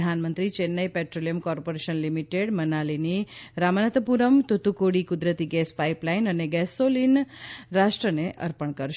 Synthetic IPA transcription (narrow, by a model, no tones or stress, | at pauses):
d̪ʱanmənt̪ɾit͡ʃenːəjpɛʈɾolijəmkɔɾpoɾeʃənlimiʈeɽmənaliniɾamənət̪əpuɾəmt̪ut̪ukoɽikud̪ɾət̪iɡɛspaiplainəneɡɛsolinɾaʃʈɾəneʔə̰ɾpəɳkəɾʃ